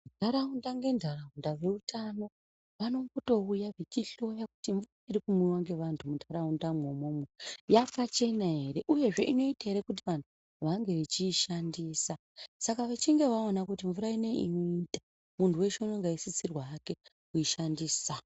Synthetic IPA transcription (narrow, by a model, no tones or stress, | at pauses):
undʱaɾaundaŋɡe̞ndʱaraundaʋe̞utʰano̞ | ʋano̞ŋɡo̞to̞ujaʋikiɬo̞jaku̥tiɱvuraiɾikumiwaŋɡe̞ʋantʰumundʱaɾaundamwomomwejafat͡ʃe̞naɦe̞ɾe̞ʔuje̞ʐe̞̰ʔino̞itaɦe̞ɾe̞kut̬iʋantʰu | ʋaŋɡe̞ʋit͡ʃiːʃandiːsa | sakaʋet͡ʃiŋɡe̞ʋaonakutiɱvuɾaine̞inoitḁ | muntʰuwe̞t͡ʃeunoŋɡaisisirwaːke̞ | kuiʃandiːsa